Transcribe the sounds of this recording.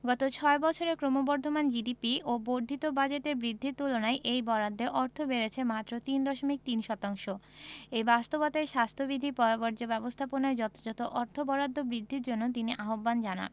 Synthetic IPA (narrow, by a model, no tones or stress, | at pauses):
ɡɔt̪ot͡ɕʰɔebɔt͡ɕʰoɾekɾomobɔɾd̪ʱomand͡ʑiɖipiʔoboɾd̪ʱit̪obad͡ʑeʈeɾbɾid̪ʱːiɾt̪ulonaeʔejbɔɾad̪ʱːeʔɔɾt̪ʰobeɾet͡ɕʰemat̪ːɾot̪ind̪ɔʃomik̚t̪inʃɔt̪aŋʃoejbast̪obat̪aeʃast̪ʰobid̪ʱipɔɾabɔɾd͡ʑobɛbost̪ʰaponaed͡ʑɔt̪o̥d͡ʑɔt̪oʔɔɾt̪ʰobɔɾad̪ʱːobɾid̪ʱːiɾd͡ʑonːot̪̬iniʔaɦobband͡ʑana̰n